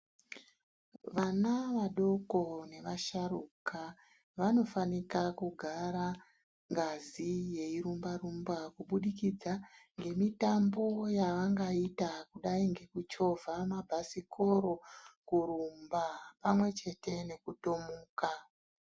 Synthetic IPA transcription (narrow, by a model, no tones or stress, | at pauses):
ʋanaʋaɗo̞ko̞ne̞ʋaʃaruka | ʋano̞fanikakuɡʱaɾa | ŋɡazije̞iɾumbarumbakuɓuɗikid͡zaŋɡe̞mitambo̞jaʋaŋɡaitakuɗaiŋɡe̞kut͡ʃo̞vʱamabʱasikʰo̞ɾo̞kuɾumbapamwe̞t͡ʃe̞te̞ne̞kutomuːka